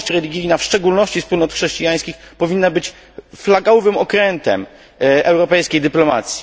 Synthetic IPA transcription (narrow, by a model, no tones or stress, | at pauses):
ɕt͡ɕɾɛlʲiɡʲijnafʂt͡ʂɛɡulnɔɕt͡ɕispulnɔt̪xʂɛɕt͡ɕijaj̃skʲixpɔvʲinːabɘt͡ɕ | flaɡawvɘmɔkɾɛnt̪ɛ̰m | ɛwɾɔpɛjskʲejd̪ɘplɔma̰t̪sʲji̥